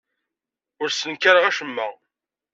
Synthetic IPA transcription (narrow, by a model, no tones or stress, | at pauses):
ʊɾsənkaɾəʁæʃəmːæ